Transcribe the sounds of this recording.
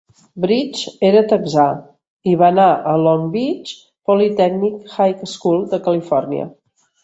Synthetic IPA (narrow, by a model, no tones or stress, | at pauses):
bɾit͡ʃeɾət̪əɡza | iβanaʔəlɔŋbit͡ʃ | pɔlit̪ɛɡnikxajkəskulˠd̪əkəlifɔrniə̰